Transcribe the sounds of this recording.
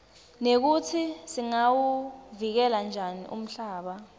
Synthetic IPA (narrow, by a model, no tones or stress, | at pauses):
nek̬utʰisiŋawuvik̬ɛland͡ʒʱanḭʔṵm̩ɬaːɓa